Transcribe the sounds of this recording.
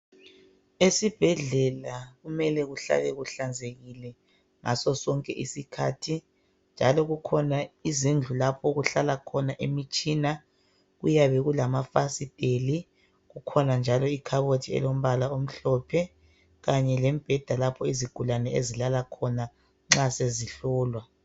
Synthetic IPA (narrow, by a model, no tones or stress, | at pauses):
esib̥ʱɛɮɛlaɣumɛlɛɣuɬa̰ɣɛɣuɬand͡zʱeɣilɛ | ŋasɔsɔŋkʼɛʔisikʰa̰ːtʰi | nd͡ʒʱalɔɣukʰɔnaizind͡ɮʱulapʰɔɣuɬalakʰɔnaʔemit͡ʃʼiːna | ɣujaβɛɣulamafasid̥ʱeli | ɣukʰɔnand͡ʒʱalɔikʰaβotʰiɛ̰lom̩βalaom̩ɬɔpʰɛ | ɣaɲɛlɛm̩b̥ʱɛd̥ʱalapʰɔiziɡ̥ʱulanɛezilalakʰɔna | ŋ͡ǁaseziɬɔːlwa